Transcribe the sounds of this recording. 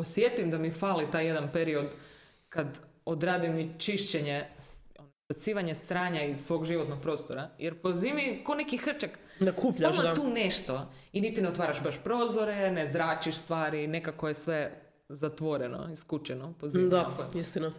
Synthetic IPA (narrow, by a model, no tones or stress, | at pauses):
posjet̪imd̪amifalit̪aːjed̪anpeɾiod̪ | kad̪od̪ɾaːd̪imːit͡ʃiʃt͡ɕeɲeonobasiːʋaɲesɾaːɲaizsʋo̞ɡʒiʋot̪nok̚pɾo̞ːst̪oɾajʔeɾpoziːmikonekixr̩t͡ʃak | d̪akupsʎaʃaauːneʃt̪o̞ | init̪ineot̪ʋaːɾaʃbaʃpɾo̞ːzoɾenezɾaːt͡ʃiʃst̪ʋaːɾine̞kakojesʋe | zat̪ʋo̞ɾeno̰iskut͡ʃenopoziːmd̪aakoist̪ina